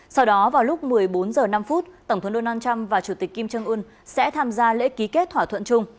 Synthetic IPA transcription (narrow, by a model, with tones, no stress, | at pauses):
sa˧wɗɔ˨˦vaː˨˩wlʊ˦˥k͡p̚mɨ˨˩əjɓo˨˦nzəː˨˩na˧mfu˦˥t̚t̪ə˧˩wŋ͡mt̪ə˨˦ŋ͡mɗo˧naː˧nt͡ɕa˧mvaː˨˩t͡ɕu˧˩t̪i˨˩k̟ːi˧mt͡ɕə˧ŋʔu˧n | sɛ̰˧˥t̪ʰaː˧mzaː˧lḛ˧˥ki˨˦ke˦˥t̚t̪ʰwaː˧˩t̪ʰwə̰˧˨nt͡ɕʊ˧ŋ͡m